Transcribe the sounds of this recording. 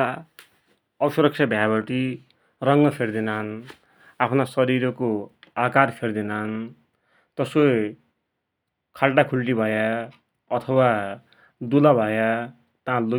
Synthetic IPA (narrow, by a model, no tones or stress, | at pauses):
ʌsuɾʌk̚t͡ʃʰʌbʱjabʌʈi | rʌŋɡʌpʰerd̪inan | apʰnasʌɾiɾʌkoakarpʰerd̪inan | t̪ʌsko | kʰalʈakʰulʈibʱʌja | ʌt̪ʰʌwa | d̪ulabʱʌja | t̪ãlo